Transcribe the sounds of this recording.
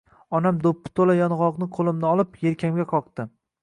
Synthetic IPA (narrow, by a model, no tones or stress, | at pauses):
ɒnamd̪opːɪ̥t̪ʰolajɒnʁɒqnɪqʰolˠɪmnɪɒlˠɪpjeɾkʲʰamɡʲaqʰɒqt̪ɪ